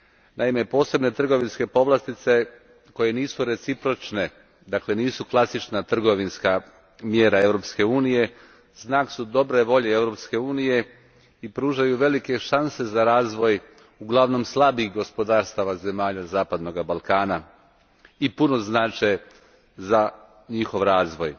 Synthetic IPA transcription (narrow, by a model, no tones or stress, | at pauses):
naime̞po̞ːse̞bne̞t̪r̩ɡo̞ʋinske̞po̞ʋlˠast̪it̪se̞ | ko̞je̞niːsuɾe̞t̪sipɾo̞t͡ʃne̞ | d̪akle̞niːsuklˠasit͡ʃnat̪r̩ɡo̞ʋinska | mjeɾaeʋɾo̞pske̞uːnije̞ | znaːksud̪o̞bɾe̞ʋo̞ʎe̞eʋɾo̞pske̞uːnije̞ | ipɾuːʒajuʋe̞like̞ʃanse̞zaɾaːzʋo̞j | uɡlˠaʋno̞mslˠabixɡo̞spo̞d̪aːɾst̪aʋaze̞maːʎazaːpad̪no̞ɡabalˠkaːna | ipuno̞znaːt͡ʃej | za | ɲixo̞ʋɾaːzʋoj